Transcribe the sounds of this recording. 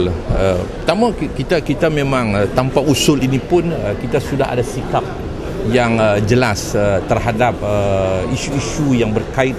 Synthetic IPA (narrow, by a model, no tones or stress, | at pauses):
lə | t̪amakit̪akit̪amẽmãŋət̪ampausʊlinipʊnəkit̪asuda̰ɦa̰dasikap̚ | jaŋəd͡ʒəlasət̪ərɦadap̚əiʃuiʃujaŋbərkaɪt̪̚